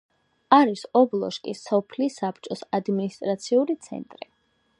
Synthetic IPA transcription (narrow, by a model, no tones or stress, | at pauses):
aɾisɔblˠɔ̰ʃkʼisɔpʰlisap̚ʰt͡ʃʼɔsad̪minist̪ʼɾat̪sʰiulit̪sʰɛ̰nt̪ʼɾi